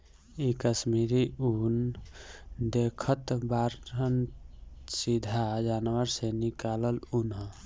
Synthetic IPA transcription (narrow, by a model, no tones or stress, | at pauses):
ikəsmiɾiun | d̪ekʰət̪baɾən | sid̪ʱad͡ʒaːnʋəɾsenikaləlunɦə̃